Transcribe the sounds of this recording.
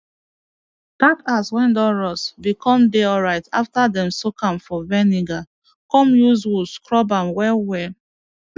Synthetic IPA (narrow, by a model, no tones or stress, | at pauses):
b̥akaswɛ̃ndɔɹɔsbikʰɔ̃mdeɔlɹaɪta̰ftadɛ̃msokãmfɔvɛniɡa | kɔ̃mjuzwuskɹɔbãmwɛlwɛ